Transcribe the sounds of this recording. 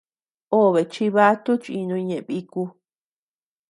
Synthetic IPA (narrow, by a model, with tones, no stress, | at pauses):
o˦˨βe˨t͡ʃi˧βa˦t̪u˦t͡ʃi˧nũ˧ɲẽ˨ʔβi˧ku˧